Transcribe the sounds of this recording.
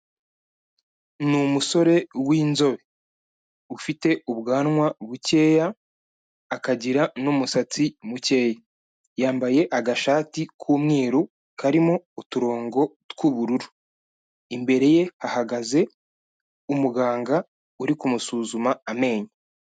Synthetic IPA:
numuso̞ɾe̞wiːnzo̞βe | ufite̞uβɡaːnŋwaβuce̞ːjaː | kaɟiɾanomusat͡simuce̞ːja | jaːmbaje̞ʔaɡaʃaːtikʰuːmŋiːɾu | kʰaɾimo̞ːtuɾo̞ːŋɡo̞tkuβuɾuɾu | imbe̞ɾe̞je̞hahaɡaze̞ | umuɡaːŋɡa | uɾikumusuːzumaːme̞ːɲa

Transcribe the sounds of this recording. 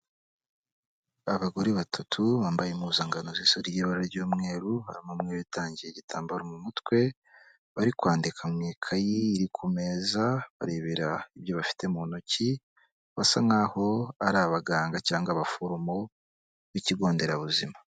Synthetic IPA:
aβaɡo̞ɾeβatʰatʰuβaːmbajemuːzaːŋɡanozisoɾijeβaɾaɾɟuːmŋe̞ːɾuha̰ɾimomŋeːɾuitʰaːɲɟijeɟitʰaːmbaɾomumutkwe̞ | βaɾikwaːndikʰamŋiːkʰajiːɾikʰumeːzaβa̰ɾeβiɾaiβjo̞βafi̥te̞mːnoci | βasaŋaːho̞aɾaβaɡaːŋɡacaːŋɡaβafuɾumo | βiciɡo̞ːnde̞ɾaβuzima

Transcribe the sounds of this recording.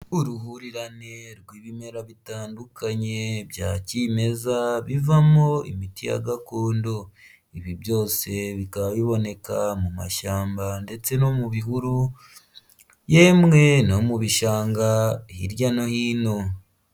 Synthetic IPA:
uɾuɦuɾiɾane̞ɾɡwiːβime̞ɾaβitaːndukaɲe̞βjaːcime̞zaβivamo̞ḭmitija̰ɡakoːndo | iβiβjo̞ːse̞βikaβaβiβo̞ne̞kamuma̰ʃaːmbande̞t͡se̞no̞muβihuɾu | je̞mŋe̞no̞muβiʃaːŋɡahiɾjano̞hiːno̞

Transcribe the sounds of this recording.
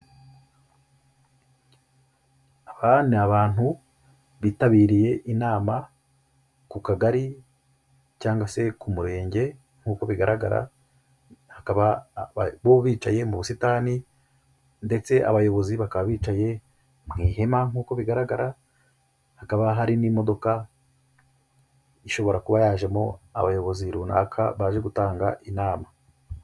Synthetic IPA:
aβanaβaːn̥hu | βitaβiːɾije̞ʔinaːma | kukaɡaɾi | caːŋɡwase̞kumuɾe̞ːɲɟe̞ | ŋ̥huːko̞βiɡaɾaɡa̰ɾa̰ | hakaβa | βoβiːt͡ʃaje̞muβusitaːni | nde̞t͡se̞ʔa̰βajo̞βo̞ziβakaβaβiːt͡ʃaje̞ | mŋiːɦe̞maŋ̥uːko̞βiɡaɾaɡaɾa | hakaβaɦaɾinimo̞do̞ka | iʃo̞βo̞ɾakuβajaːʒe̞mo̞a̰βajo̞βo̞ziɾuːna̰ːkʰa̰βaːʒe̞ɡutaːŋɡa̰ʔinaːma

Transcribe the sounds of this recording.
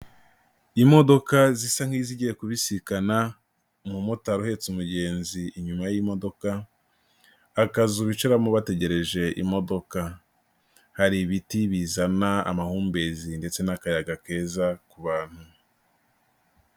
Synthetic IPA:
imo̞do̞kazisaŋ̥hiziɟijekuβisikana | mumotaɾuhe̞t͡sumuɟe̞ːnziːɲumajimo̞do̞ka | kazuβit͡ʃuɾamoβate̞ɟe̞ɾe̞ʒe̞ʔḭmo̞do̞ka | haɾiβitiβizanaa̰mahuːmbe̞zinde̞t͡senakajaɡake̞ːzakuβaːn̥hu

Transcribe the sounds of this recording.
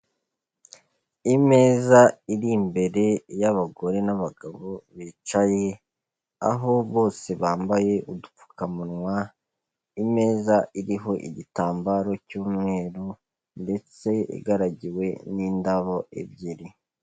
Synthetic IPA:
ime̞ːzaiɾimbe̞ɾe̞jaβaɡo̞ɾe̞naβaɡaβoβit͡ʃaje | a̰ɦo̞βo̞ːse̞βaːmbaje̞ʔudu̥fu̥kamuɾŋwa | ime̞ːzaiɾiɦo̞ʔḭɟitaːmbaɾo̞cuːmŋe̞ːɾu | nde̞t͡se̞ḭɡaɾaɟiwe̞nindaβo̞ʔḛbɟiɾi

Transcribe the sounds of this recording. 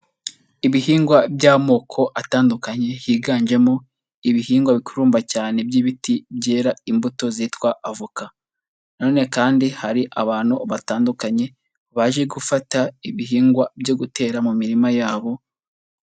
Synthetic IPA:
iβihiːŋɡwabɟaːmo̞ːkʰo̞ʔataːndukaɲe̞hiːɡaːnd͡ʒe̞mo | iβiɦiːŋɡwaβikuɾuːmbacaːne̞bɟiβitibɟe̞ːɾaimbuto̞zitkwaʔavuka | naoːne̞kaːndihaɾiʔaβaːn̥uβataːndukaɲe̞ | βaʒe̞ɡufataiβiɦiːŋɡwabɟo̞ɡute̞ːɾamumiɾimajaːβo̞

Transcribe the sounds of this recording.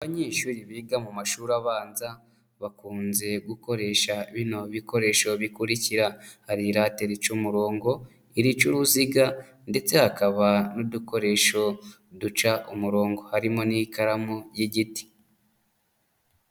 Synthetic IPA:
aβaɲeːʃuːɾiβiːɡamumaʃuːɾaβaːnza | βakuːnze̞ɡuko̞ɾe̞ʃaiβino̞βiko̞ɾe̞ːʃo̞βikuɾiciɾahaɾiɾateɾit͡ʃumuɾo̞ːŋɡo̞ | iɾit͡ʃuɾuziɡa | nde̞t͡se̞hakaβanuduko̞ɾe̞ʃo̞ | dut͡ʃaʔumuɾo̞ːŋɡo̞haɾimo̞nikaɾamujiɟiti̥

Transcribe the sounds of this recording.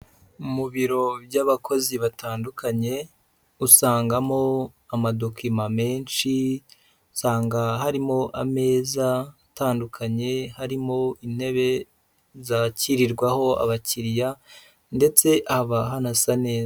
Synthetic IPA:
umuβiɾo̞bjaβakʰo̞ziβatʰaːndukʰaɲe̞ | usaːŋɡamo̞amado̞kimame̞ːnʃi | saːŋɡaɦaɾimo̞ʔame̞ːza | taːndukʰaɲe̞haɾimo̞inhe̞βe̞ | zaciɾiɾɡwaho̞a̰βaciɾija | nde̞t͡se̞ʔahβaɦanasane̞ːz

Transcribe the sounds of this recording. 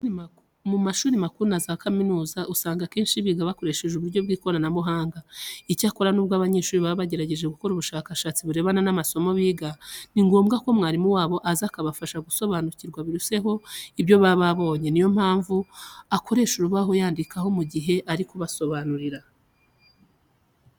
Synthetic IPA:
mumaʃuːɾimakuɾunazakaminuːzaʔusaːŋɡake̞ːnʃiβiːɡaβako̞ɾe̞ʃe̞ʒuβuɾɟo̞bɡiːko̞ɾanamuɦaːŋɡaicaːko̞ɾanuːbɡwaːβaɲe̞ːʃuːɾiβaββaɟe̞ɾaɟe̞ʒeɡuko̞ɾuβuʃaːkaʃaːt͡siβuɾe̞βananamaso̞mo̞βiːɡaniŋɡo̞ːmɡako̞mŋaːɾimuwaːβo̞ʔazakaβafaʃaɡuso̞βanuciɾɡwaβiɾuse̞ɦo̞ibjo̞βaβaβo̞ːɲe̞nijo̞m̥haːɱvuakʰo̞ɾe̞ʃuɾuβaɦo̞jaːndikaɦo̞muɟiɦe̞ʔaɾikoβaso̞βanuɾiɾa

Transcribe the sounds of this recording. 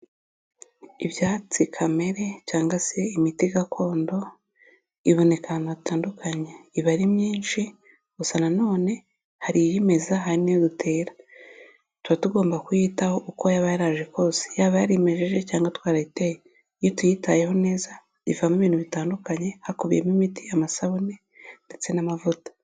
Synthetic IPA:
iβjaːt͡sikʰame̞ɾe̞caːŋɡase̞imitiɡakʰo̞ːndo̞ | iβo̞ne̞kanaitaːndukʰaɲe̞iβaɾimɲiːnʃi | ɡusanano̞ːne̞ | haɾijime̞zaɦaɾinijodutʰe̞ːɾḁ | tuɾatuɡo̞ːmbakujiːtaho̞ʔuko̞jaβajaɾaʒe̞ko̞ːse̥jaːβajaɾime̞ʒe̞ʒe̞caːŋɡatwaːɾaiteje | ijotujitaje̞ɦo̞ne̞ːza | ivamiβiːn̥uβitaːndukaɲe̞hakuβijḛmimitiamasaβune | nde̞t͡se̞namavutḁ

